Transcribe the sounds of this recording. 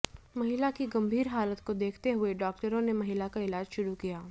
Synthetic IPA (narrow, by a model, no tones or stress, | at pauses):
mɐɦɪlakiɡɐ̃mbʱiːɾɦaːlət̪kod̪eːkʰt̪eɦʊeɖɔːk̚ʈəɾõnemɐɦɪlakaɪlaːd͡ʒʃʊɾukijaː